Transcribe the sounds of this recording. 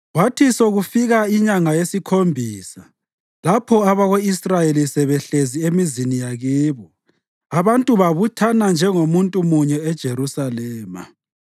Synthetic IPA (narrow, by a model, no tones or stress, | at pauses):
watʰisoɣufiɣaiɲaŋajesikʰombʱiːsa | lapʰɔaβaɣoisrajelisɛβɛɬeziemizinijaɣiːβɔ | aβantʼuβaβutʰanand͡ʒʱɛŋomuntʼumuɲɛɛd̥ʒ̥ʱeɾusalɛːma̰